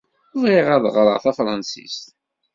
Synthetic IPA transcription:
ʊðiʁæðˤʁɾˤə̰ʁθæfɾˤɑnsḭst̪

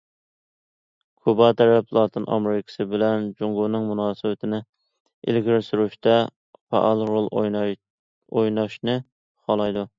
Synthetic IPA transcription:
kʰubɑt̪ʰɛɾɛplˠɑːt̪ʰɨnʔɑ̰mɾɪkʲʰɪ̥sɪbɪlɛnd͡ʒuŋɡunɨŋmunɑːsɨwɪt̪ʰɪnɪ | ɪ̰lɡʲiɾɪsyɾyʃt̪ɛ | fɑ̰ʔɑlˠɾolˠ | ojnɑʃnɨ | χɑlˠɑjd̪u

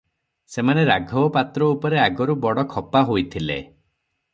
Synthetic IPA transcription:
semaneɾaɡʱɔpat̪ɾɔupɔɾeaɡɔɾubɔɽɔkʰɔpaɦojt̪ʰilḛ

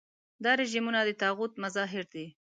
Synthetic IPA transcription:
d̪ɑɾeʒimunad̪ət̪ɑɣut̪mazɑɦɪɾd̪i

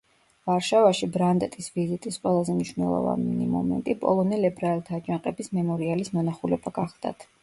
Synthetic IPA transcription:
vaɾʃavaʃibɾand̪ɛt̪ʼisvizit̪ʼisqʼwɛlˠazɛmniʃnɛlˠɔ̰va̰nimɔ̰mɛ̰nt̪ʼipʼɔ̰lˠɔnɛlɛbɾaɛlˠt̪ʰaːd͡ʒʼaqʼɛbismɛmɔɾialismɔnaχulɛbaɡaχd̪̥a̰t̪ʰ

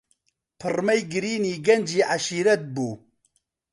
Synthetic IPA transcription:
pʰɨrmɐjɡɨɾiːniːɡɐnd͡ʒiːʔaʃiːɾɐt̪̚buː

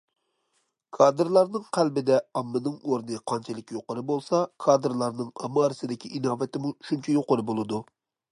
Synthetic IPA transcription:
kʰɑːd̪ɨɾlˠɑɾnɨŋqʰælbɪd̪ɛɑmːɨnɨŋoɾnɨqʰɑnt͡ʃʰɛlˠɪkʲjoqʊɾɨbolˠsɑkʰɑːd̪ɾlˠɑɾnɨŋɑmɑːɾɨsɨd̪ɪkʲʰiʔinɑːvɛt̪ɪmuʃunt͡ʃʰɛjoqʊɾɨbolˠɨd̪u

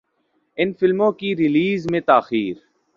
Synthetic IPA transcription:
ɪnfɪlmõːkiːɾɪliːzmẽt̪aːxiːɾ

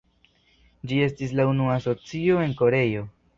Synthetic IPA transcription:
d͡ʒie̞stis̬launuaso̞t͡sio̞e̞ŋko̞ɾe̞jo̞

